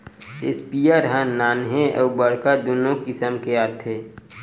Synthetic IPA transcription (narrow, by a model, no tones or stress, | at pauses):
espiaɾɦãnaːnɦẽʔɔ̰ːbəɽkad̪oːnõkɪsəmkeaːt̪ʰeː